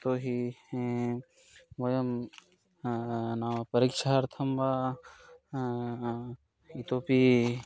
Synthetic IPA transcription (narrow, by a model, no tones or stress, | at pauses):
t̪oːɦi | mojɐm | naʋɐpɐɾikʃaɾt̪ʰɐmba | it̪oːpi